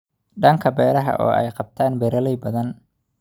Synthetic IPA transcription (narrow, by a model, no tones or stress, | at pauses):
ɖɐŋkʰɐbɛːɾɐɦɐ̰ʔɔ̰ːʔɛ̰jqɑb̚t̪ʰaːnbɛɾɐlɛjbɐðɐn